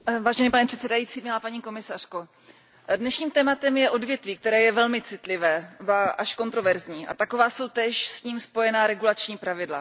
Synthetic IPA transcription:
vaːʒɛnɛpanɛpr̥ɛt̪sɛdajiːt͡siːmɲɪlapaɲiːko̞mɪsar̥ko̞ | dnɛʃɲiːmt̪ɛːmat̪ɛmjɛʔo̞dvjɛt̪viːk̚t̪ɛɾɛːjɛvɛlmɪt͡sɪt̪lɪvɛːbaʔaʃko̞nt̪ɾo̞vɛɾzɲiːʔa̰t̪akovaːso̞wt̪ɛʃsɲiːmspo̞jɛnaːɾɛɡulat͡ʃɲiːpɾavɪdla̰

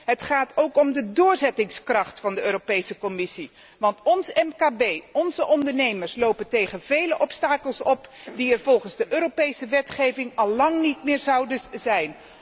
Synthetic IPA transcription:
ɦətχaːtowkɔmdədʊːɹzɛtɪŋskrɑχtfɑndəøːɾopejsəkɔmɪsi | ʋɑntɔnsɛmkaːbejɔnzəʔɔndəɹnejməɹslowpəntejχənv̥ejləʔɔpstaːkəlˠsɔpdiɛɹvɔlˠχənzdəʔøːɾopejsəʋɛtχejvɪŋɑlˠːɑŋnitmɪːɹzɑwdəzɛjn

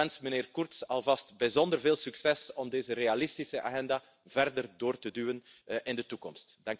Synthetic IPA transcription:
ɛnsmənɪːrkɔrtsɑlˠvɑstbəzɔndərveːlˠsyksɛsɔmdeːzərealɪstisəʔa̰ːɣɛnda | vɛrdərdoːrtədyːwən | ʔɪndətukɔmstdɑŋ

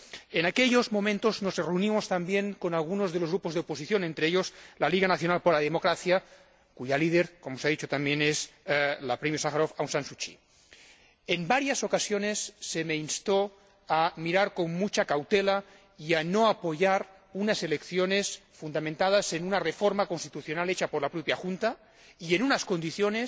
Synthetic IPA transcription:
enakeʎozmomẽnt̪oznosereunimost̪ambjeŋkonalɣunozðelozɣɾupozðeoposiθjonent̪ɾeeʎoslaliɣanaθjonalpoɾlaðemokɾaθja | kuʝalið̞eɾkomosaðit͡ʃot̪ambjenezlapɾemjosaxaɾofawnsansut͡ʃḭ | embaɾjasokasjonesːemeinst̪o | amiɾaɾkommut͡ʃakawt̪ela | ianoapoʝaɾ | unaselekθjonesfund̪amẽnt̪að̞asenunarefoɾmakonst̪i̥t̪uθjonalet͡ʃapoɾlapɾopjaxunt̪a | ienunaskond̪iθjones

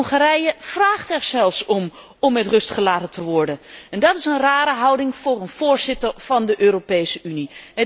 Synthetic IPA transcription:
χaɾɛjəv̥raːχtɛɹzɛlˠfsɔm | ɔmːɛtrɵstχəlaːtəntəʋɔɹdənɛndɑtɪsənraːɾəɦɑwdɪŋv̥ʊːrənv̥ʊːɹzɪtəɹv̥ɑndəʔøːropejsəʔyniɦə

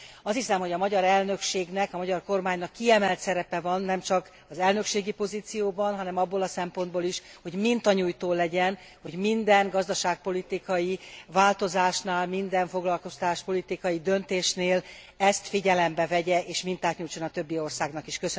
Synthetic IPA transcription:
ɒshisɛmho̞ɟɒmɒɟɒɾɛlnø̞kʃeːɡnɛkɒmɒɟɒrko̞rmaːɲnɒkːiɛmɛlt̪sɛɾɛpɛvɒnːɛmt͡ʃɒk | ɒzɛlnø̞kʃeːɡipo̞ziːt̪sijoːbɒnɦɒnɛmɒbːolɒsɛmpo̞nd̪boːliʃho̞ɟmint̪ɒɲuːjt̪oːlɛɟɛn | ho̞ɟmind̪ɛŋɡɒzd̪ɒʃaːk̚po̞lit̪ikɒjivaːlt̪o̞zaːʃnaːlmind̪ɛɱfo̞ɡlɒlko̞st̪t̪aːʃpolit̪ikɒjid̪ø̞nt̪eːʃneːl | ɛst̪fiɟɛlɛmbɛvɛɟɛʔeːʃmint̪aːt̪ɲuːjt͡ʃo̞nɒt̪øbːio̞rsaːɡnɒkiʃkøsø

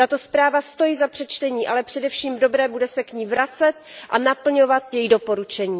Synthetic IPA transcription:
t̪at̪o̞spɾaːvast̪o̞jiːzapr̝̥ɛt͡ʃt̪ɛɲiːʔalɛpr̝̥ɛdɛfʃiːmdo̞bɾɛːbudɛsɛkɲiːvɾat͡sɛt̪̚ʔanapl̩ɲovat̪jɛjido̞po̞ɾut͡ʃɛɲiː

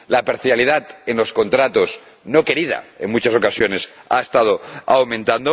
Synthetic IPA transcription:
lapeɾθjaliðat̪e̞nlo̞sko̞nt̪ɾat̪o̞s | no̞ke̞ɾið̞a̰e̞̰ŋmut͡ʃaso̞kasjo̞ne̞sa̰est̪að̞o̞awmẽnt̪and̪o

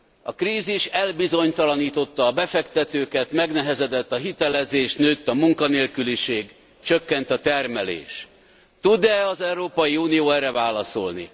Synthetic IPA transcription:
ɒ̰kriːziʃɛlbizo̞ɲt̪ɒlɒniːt̪o̞t̪ːɒːbɛfɛkt̪ɛt̪øːkɛt̪mɛɡnɛɦɛzɛd̪ɛt̪ːɒɦit̪ɛlɛzeːʃnøːt̪ːɒmuŋkɒneːlkyliʃeːɡ | t͡ʃøkːɛnt̪ɒt̪ɛrmɛlḛːʃ | t̪ud̪ɛɒzɛwɾoːpɒjiuːnijoːɛrːɛvaːlɒso̞lnḭ

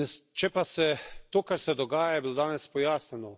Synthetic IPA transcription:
st͡ʃɛpasɛt̪oːkaɾsɛd̪oɡaːjajɛbilod̪aːnɛspojaːsnʲɛno

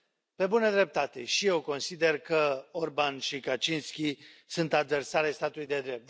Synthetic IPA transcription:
pe̞bunəd̪ɾe̞p̚t̪at̪e̞ʃije̞wko̞nsid̪e̞rkəo̞rbanʃikat͡ʃinskʲisunt̪ad̪versaɾest̪at̪ulujd̪e̞d̪ɾe̞p̚t̪

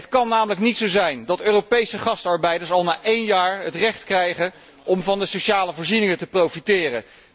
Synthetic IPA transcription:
ətkɑnːaːmələknitsowzɛjndɑtøːropejsəχɑstɑɹbɛjdəɹsɑlˠnaːʔejnjaːɹətrɛχtkrɛjχə | ʔɔmvɑndəsoʃaːləvoːɹzinɪŋətəprowfitɪːrə

